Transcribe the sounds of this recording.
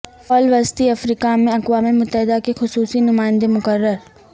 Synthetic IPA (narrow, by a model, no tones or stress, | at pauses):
fɔːlʋɐst̪iɐfɾiːkamẽɐkwaːmimʊt̪ːəɦɪd̪akexʊsuːsinʊmaːɪ̃nd̪emʊkəɾːəɾ